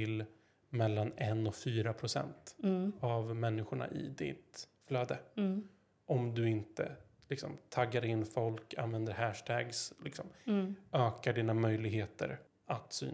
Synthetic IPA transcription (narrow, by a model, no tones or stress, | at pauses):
ɪl | mɛlːanɛnːɔkfyːɾapʰɾʊsɛ̰nt̪avmɛnːɪɧʊɳa̰ʔɪ̰d̪ɪ̰t̪fløːd̪ə | ʔɔmd̪ɵɪnt̪ə̰ | lɪksɔ̰mt̪ʰaɡːaɾɪnːfɔlkʰa̰nvɛnd̪əɾɦæːʂʈɛːɡslɪksɔmʔøːkaɖiːnamœjlɪɡheːt̪ə̰ɾ | at̪sy̰ːn